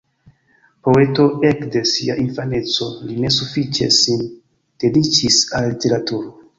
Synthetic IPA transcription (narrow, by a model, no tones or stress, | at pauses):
po̞e̞to̞ekde̞siaʔinfane̞t͡so̞line̞sufit͡ʃe̞̰sin | d̥e̞dit͡ʃisalːite̞ɾatuɾo̞